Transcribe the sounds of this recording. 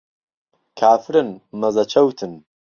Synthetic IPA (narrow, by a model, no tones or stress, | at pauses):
kʰaːfɾɨnmɐzɐt͡ʃʰɐwt̪ʰɨn